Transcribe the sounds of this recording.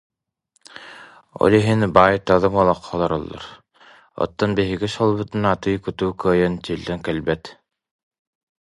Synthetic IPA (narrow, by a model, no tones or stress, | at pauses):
ɔ̰lˠiɦinbaːjt̪aðɯmɔlˠɔqʰːɔlˠɔɾɔlˠːɔ̰ɾ | ɔ̰t̪ːɔnbiɦiɡiʃɔlˠbɯt̪ɯnat̪ɯjkut̪uːkœːjœnt͡ɕilːɛŋkɛlbɛt̪